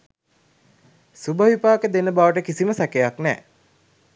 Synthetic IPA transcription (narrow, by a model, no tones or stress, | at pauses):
subəʋipaːkəd̪enəbaʋəʈəkisiməsækejaknɛː